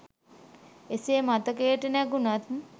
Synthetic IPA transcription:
eseemat̪əkejʈənɛɡunat̪

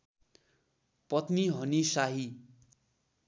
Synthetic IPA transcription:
pʌt̪niɦʌnisaɦi

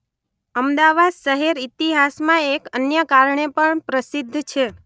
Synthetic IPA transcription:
əmd̪aʋad̪ʃəɦeɾit̪iɦasmãekənjəkaɾɳepəɳpɾəsid̪ʱːt͡ʃʰe

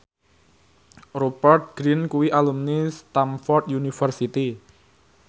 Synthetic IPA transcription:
ropərt̪̚ɡ̥ɾinkuwiʔalumnist̪amfɔrt̪junifərsit̪i

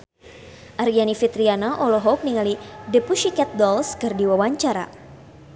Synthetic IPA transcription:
ʔaɾianifit̪ɾianaʔɔlɔɦɔk̚niŋalidəpuʃikɛt̪̚dɔlskɨrdiwawaɲt͡ʃaɾa̰

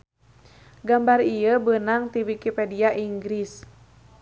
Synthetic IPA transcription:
ɡambarijəbənaŋt̪iwikipɛdiaʔiŋɡɾis

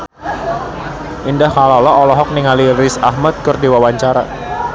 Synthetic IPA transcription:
ʔindahkalalɔɔlɔɦɔk̚niŋalilɾɪsahmat̪̚kərdiwawaɲt͡ʃaɾa

